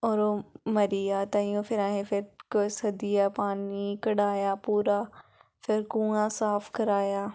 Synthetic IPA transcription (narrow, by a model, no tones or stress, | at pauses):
ɔːɾomɐɾijaːt̪aĩõːfɪɾaːɦẽfɪɾkosɐd̪ijapaːnikɐɽaːjaːpuːɾafʰɪɾkũːãsaːfkɐɾaːjaː